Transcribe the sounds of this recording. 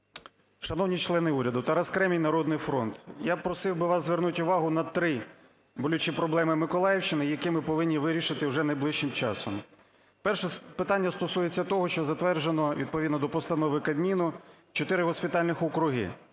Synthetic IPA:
ʃɐnɔwnʲit͡ʃlˠɛnɪuɾʲɐd̪ʊt̪ɐɾɐskɾɛmʲijnɐɾɔd̪nɪjfɾɔnt̪japɾɔsɪwbɪʋɑszʋernutʲʊʋɑɦʊnɐt̪ɾɪ | bɔlʲʊt͡ʃipɾɔblˠɛmɪmɪkɔlˠɑjɪwt͡ʃɪnɪjɐkɪmɪpɔʋɪnʲːiʋɪɾʲiʃɪt̪ɪwʒɛnɐjblˠɪʃt͡ʃɪmt͡ʃɑsɔm | pɛrʃɛpɪt̪ɑnʲːɐst̪ɔsujet͡sʲːɐt̪ɔɦɔʃt͡ʃɔzɐt̪ʋɛrʒenɔʋʲid̪̚pɔʋʲid̪nɔd̪ɔpɔst̪ɐnɔʋɪkɐd̪mʲinʊt͡ʃɔt̪ɪɾɪɦɔsʲpʲɪt̪ɑlʲnɪxɔkɾʊɦɪ̰

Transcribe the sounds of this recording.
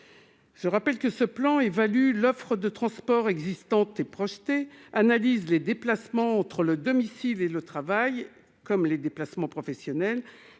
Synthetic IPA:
ʒ̥əʁapɛlkəsəplɑ̃evalylɔfχəd̪ət̪χɑ̃spɔʁɛɡzist̪ɑ̃t̪epχɔʃt̪eanalizled̪eplasmɑ̃ːt̪χələd̪ɔmisilelət̪χavaj | kɔmled̪eplasmɑ̃pχɔfɛsjɔnɛl

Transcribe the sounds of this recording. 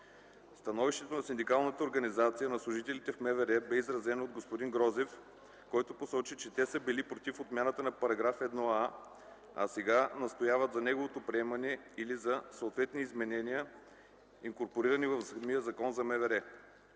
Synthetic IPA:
st̪ɐnɔviʃt̪ɛt̪onɐsind̪ikalˠnət̪əoɾɡɐnizat̪sijənɐslˠʊʒit̪ɛlit̪ɛfmɛvɛɾɛbɛizɾɐzɛnood̪ɡospod̪inɡɾɔzɛf | kɔjt̪oposɔt͡ʃit͡ʃɛt̪ɛsəbilipɾot̪ifot̪mʲjanət̪ənɐpɐɾɐɡɾafɛd̪nɔa | ɐ̰sɛɡanɐst̪ojavət̪zɐnɛɡovot̪opɾiɛmɐnɛ | ilizɐsoːt̪vɛt̪niːzmɛnɛniə | iŋkoɾpoɾiɾənivɐvzmiəzɐkɔnzɐmɛvɛɾɛ

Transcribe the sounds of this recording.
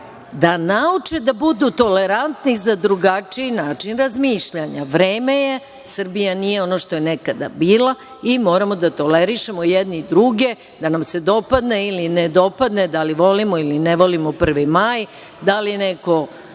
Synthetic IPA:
d̪anaut͡ʂed̪abud̪ut̪o̞leɾant̪nizad̪ɾuɡat͡ʂiinaːt͡ʂinɾazmiːʃʎaɲaʋɾeːme̞je | sr̩bijanijeo̞no̞ʃt̪o̞jenekad̪a̰biːlˠa | imo̞ːɾamo̞d̪at̪o̞leɾiʃemojed̪nid̪ɾuɡe̞ | d̪anamse̞d̪o̞pad̪neilined̪o̞pad̪ne̞d̪aliʋo̞limoilineʋolimopr̩ʋimaj | d̪alijeneko

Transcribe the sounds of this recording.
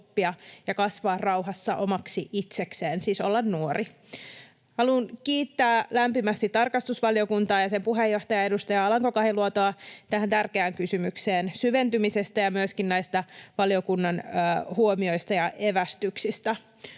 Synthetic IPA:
pːiɑjɑkɑsʋɑːrrɑwɦɑsːɑʔomɑksiʔit̪sekseːnsiːsolːɑnnuori | hɑlunkiːt̪ːæːlæmpimæst̪it̪t̪ːɑrkɑst̪usʋɑliokunt̪ɑːjɑsempuɦejːoht̪ɑjɑedust̪ɑjɑɑlɑŋko̞kɑhiluot̪oɑt̪æhænt̪ærkeæːŋkysymykseːnsyʋe̞nt̪ymisest̪æjɑmyøskinnæjst̪ɑʋɑlio̞kunːɑnːhuomio̞jst̪ɑjɑʔeʋæst̪yksist̪æ

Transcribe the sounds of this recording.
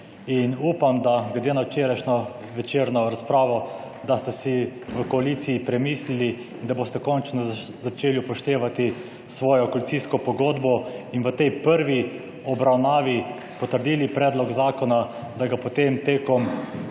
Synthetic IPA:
inuːpamd̪aɡlɛd̪eːnawt͡ʃeːɾajʃnɔ | ʋɛt͡ʃeːɾnɔɾaspɾaːʋɔ | d̪ast̪ɛsiʋəkɔalit̪sijipɾɛmiːslili | nd̪aboːst̪ɛkɔnt͡ʃnɔ | zat͡ʃeːliupɔʃt̪eːʋat̪i | sʋɔːjɔkɔalit̪siskɔpɔɡoːd̪bɔinʋət̪ɛjpəɾʋi | ɔbɾawnaːʋi | pɔt̪əɾd̪iːlipɾɛːd̪lɔɡzaːkɔnad̪aɡapot̪emt̪eːkɔm

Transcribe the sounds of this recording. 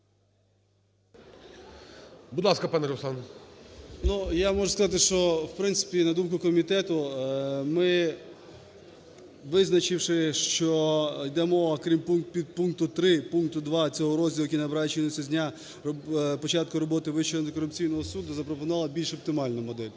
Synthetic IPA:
bʊd̪lˠɑskɐpɑnɛɾɔsɑn | nujamɔʒʊskɐzɑt̪̬ɪʃt͡ʃɔwpɾɪnt̪sɪ̥pʲinɐd̪umkʊkɔmʲit̪ɛt̪ʊmɪ | ʋɪznɐt͡ʃɪwʃɪʃt͡ʃɔjd̪ɛmɔʋɐkɾʲimpunpʲid̪̚punk̚t̪ʊt̪ɾɪpunk̚t̪ʊd̪ʋɑt͡sʲɔɦɔɾɔzʲdʲilˠjɐkinɐbeɾɑjɛt͡ʃinʊsʲɐzʲnʲa | pɔt͡ʃɑt̪̚kʊɾɔbɔt̪ɪʋɪt͡ʃɔɐnt̪ɪkɔɾʊpt͡sʲijnɔɦɔsud̪ʊzɐpɾɔpʊnɑlˠɐbʲilʲʃɔp̚t̪ɪmɑlʲnʊmɔd̪ɛlʲ

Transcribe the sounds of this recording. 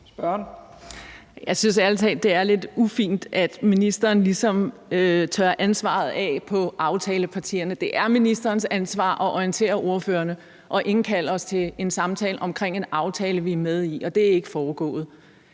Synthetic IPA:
sb̥ɶɐn | jɑ̈ɪsynsælt͡sʰɛ̰dd̥e̝æɐle̝d̥ufḭːnd̥æd̥minisd̥ɐːnlisɒ̽møt͡sʰœɐʔænsʋɑ̰̈ð̞̩ˠɛpʰɒ̽ʔɑ̈ʊt͡sʰɛːləpʰɑ̈t͡sʰḭːɐnəd̥e̝ʔæɐminisd̥ɐːnsænsʋɑ̰̈ːʔɒ̽ʔɒint͡sʰe̝̰ːɐʔo̝ɐføːɐnə | ʔɒ̽ʔe̝ŋn̩kʰæl̰ɐɒ̽st͡sʰe̝e̝nsɑ̈mt͡sʰɛːləʔɒ̽mkʰʁeŋ̰e̝nɑ̈ʊt͡sʰɛːləʋiæɐmeð̞ˠiʔɒ̽d̥e̝æɐe̝ɡ̥əfɒːɡ̥ɔ̰̽ːð̩ˠ

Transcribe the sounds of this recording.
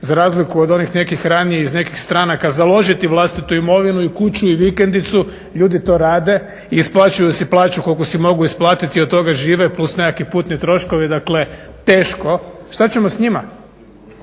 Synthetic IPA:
zaɾaːzlikuod̪o̞nixne̞kixɾanieizne̞kixst̪ɾanakazalˠo̞ʒit̪iʋlˠast̪it̪uimo̞ʋinuikut͡ɕuiʋikend̪it̪su | ʎuːd̪it̪o̞ːɾaːd̪e̞ | iːsplˠaːt͡ɕujusiplˠaːt͡ɕuko̞lkosimo̞ɡuisplˠaːt̪it̪iod̪t̪o̞ɡaʒiːʋeplˠusnekipuːt̪nit̪ɾo̞ʃko̞ʋid̪akle̞t̪e̞ːʃko̞ʃt̪at͡ɕe̞mosɲima

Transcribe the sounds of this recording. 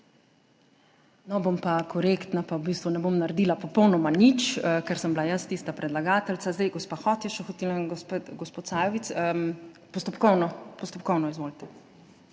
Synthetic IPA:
nɔbompakʰɔɾekt̪napawbiːst̪ʋunɛbomnaɾɛd̪iːlapɔpɔwnɔmanit͡ʃːkɛɾsəmblajast̪iːst̪apɾɛd̪laɡaːt̪ɛltsazd̪ɛjɡɔspaxɔt̪jɛʃɛxɔt̪ilanɡɔspot̪sajɔʋit̪sə | pɔst̪ɔpkɔwnɔpɔst̪ɔpkɔwnɔizʋoːlit̪ɛ

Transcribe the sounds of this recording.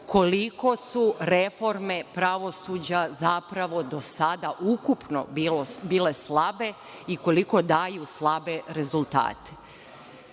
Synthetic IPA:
ko̞liko̞suɾefo̞ɾme̞pɾaʋo̞suːd͡ʑazapɾaʋo̞d̪o̞sad̪aʔukupno̞̰ilobiːle̞slabe̞ | ikoliko̞d̪aːjuslˠabe̞ɾe̞zulˠt̪a̰ːt̪e̥

